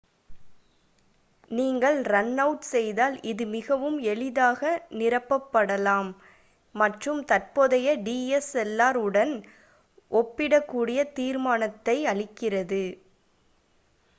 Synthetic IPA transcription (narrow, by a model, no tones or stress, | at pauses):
niːŋɡɐɭɾɐnːɐʊʈsɛjðaːlɪðɯmɪɣɐʋɯmɛɭɪðaːɣɐnɪrɐpːɐpːɐɽɐlaːmː | ɐʈrɯmt̪ɐrpoːðɐjɐɖiːɛsɛlːaːɾɯɽɐn | ʔɔpːɪɽɐkːuːɽɪjɐt̪iːɾmaːnɐt̪ːɐɪɐɭɪkːɪrɐðɯ